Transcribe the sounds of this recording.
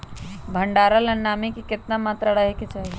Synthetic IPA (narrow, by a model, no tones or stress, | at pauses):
bʱəɳɖaːɾəlɐnaːmikikɪt̪namaːt̪ɾaɽaɦeket͡ʃaːɦi